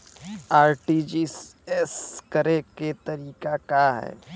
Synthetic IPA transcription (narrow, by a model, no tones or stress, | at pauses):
aːɾʈid͡ʒiːseskɐɾeket̪ɐɾiːkakaɦɛ̰ː